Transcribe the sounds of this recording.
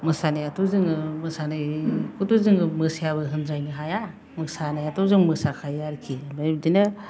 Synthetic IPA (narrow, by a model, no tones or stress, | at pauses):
mɯsanajatʰɔzɯŋɯmɯsanɯjkʰutuzɯŋɯmɯsjaβɯɦɯndɾajnɯɦaja | mɯksanajatʰɔzɯŋmɯsakʰajaɾkʰibajdinɯ